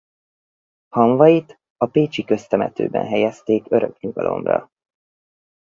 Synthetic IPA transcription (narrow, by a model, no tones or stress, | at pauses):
hɒɱvɒjit̪ | ɒpeːt͡ʃikøst̪ɛmɛt̪ø̰ːbɛ̰nɦɛjɛst̪eːkø̞ɾø̞kɲuɡɒlo̞̰mrɒ̰